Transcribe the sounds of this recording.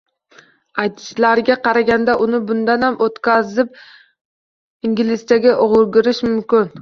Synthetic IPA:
at̪ʰɪ̥slaɾɡʲaqʰɑɾaɡʲand̪aʔʊnɪbʊnd̪anhamʔot̪kʲazɪp̚ | iŋɡʲɪlɪst̪aɡʲaʔʊʁʊɾɡʲɪɾɪʃmʊmkʲɪn

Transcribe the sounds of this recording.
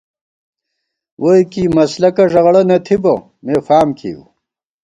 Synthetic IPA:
wʔojkiːmɐslɐkɐʐɐɣɽɐnɐt̪ʰibo̰ | meːfaːmkʰḭṵ

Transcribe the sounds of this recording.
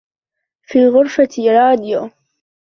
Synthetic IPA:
fiːlɣʊɾfat̪ɪɾɑːd̪ɪjo

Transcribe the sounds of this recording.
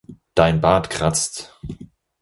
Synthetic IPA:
d̥aɪnbaːtkʁ̥at͡st

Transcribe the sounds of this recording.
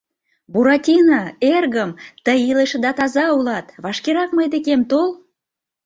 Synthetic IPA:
buɾɑtʲinɑerɣəmt̪əjileʃəd̪ɑt̪ɑzɑulɑt̪βɑʃkeɾɑkməjd̪ekemt̪ol

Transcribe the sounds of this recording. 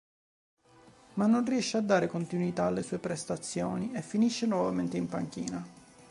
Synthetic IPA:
manːonriɛʃːead̪ːaːɾekont̪inwit̪aːlːesuːepɾest̪at̪sːjoːniefːiniʃːenwɔvament̪eimpaŋk̟ḭːna

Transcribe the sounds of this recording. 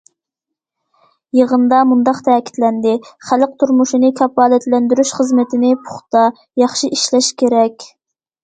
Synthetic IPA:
jəʁənd̪ɑmund̪ɑqt̪ʰɛːkʲʰi̥t̪lɛnd̪ɪχæləq̚t̪ʰuɾmuʃinɪkʲʰɑpːɑːlɛt̪lɛnd̪yɾyʃχəzmɪt̪ʰɪnɪpʰʊ̥χt̪ɑ | jɑχʃiʔiʃlɛʃkʲʰeɾɛkʲ

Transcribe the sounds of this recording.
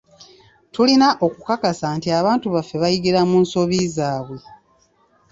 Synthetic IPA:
tulinaʔo̞kukakasaːntiaβaːntuβafːe̞βajiɡiɾamuːnso̞βizaːβwe̞

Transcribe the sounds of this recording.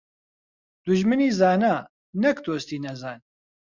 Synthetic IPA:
d̪̥uʒmɨniːzaːna | nɐkd̪oːst̪iːnɐzaːn

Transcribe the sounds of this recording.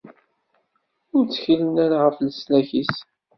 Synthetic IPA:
ʊɾt͡sːə̥çilənæɾaʁəfləslæçis

